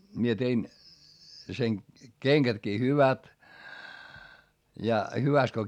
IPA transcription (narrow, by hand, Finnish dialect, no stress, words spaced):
mie tein sen keŋɡ̊ætkiː hyʋæt jɑ hyʋæst ko